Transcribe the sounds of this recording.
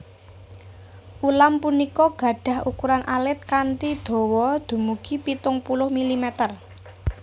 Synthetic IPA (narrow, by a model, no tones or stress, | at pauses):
ʔulampunikɔɡ̥ä̤ɖ̥a̤hukuɾanʔalɪt̪̚kaɳʈid̪̥o̤wɔd̪̥ṳmuɡ̥ipit̪ʊŋpulʊhmilimɛt̪ər